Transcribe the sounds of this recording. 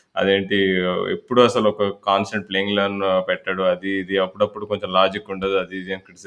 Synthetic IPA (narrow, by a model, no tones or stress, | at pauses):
ɐ̰d̪e̞ːɳʈiḛpːuɽuɐsɐlɔkɐkaːnsʈɐɳʈ̚pleːiŋɡlɐːnpɛʈːaːɽuɐd̪iːd̪iɐpːuɽɐpːuɽuko̞ɲt͡ʃomlaːd͡ʒikːuɳʈɐd̪iɐd̪iːd̪iɐnkːɐɽis